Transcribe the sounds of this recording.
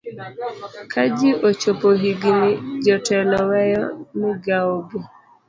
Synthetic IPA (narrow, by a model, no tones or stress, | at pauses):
kʰad͡ʒɪʔot͡ʃopoɦiɡinɪd͡ʒɔtɛlɔwɛjɔnɪɡaobo